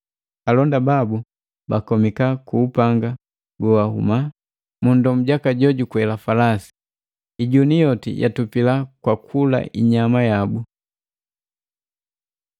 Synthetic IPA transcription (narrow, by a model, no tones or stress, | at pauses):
alɔndababu | bakɔmikakuːpaŋɡa | ɡɔwahṵma | mundɔm̩ɟakaɟɔɟukuɛlafalasi̥ | iɟunijɔtḭjʔa̰tupilakwakʰula̰ḭɲamajabu